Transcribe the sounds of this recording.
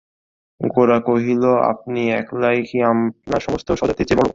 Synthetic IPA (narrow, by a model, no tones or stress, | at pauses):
ɡoɾakoɦiloa̰p̚niɛklajkiamnaɾʃɔmost̪oʃɔd͡ʑat̪et͡ɕebɔɽo̰